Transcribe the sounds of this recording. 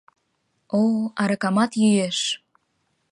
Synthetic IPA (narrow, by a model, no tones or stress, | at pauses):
oɑɾɑkɑmɑt̪jyjeʃ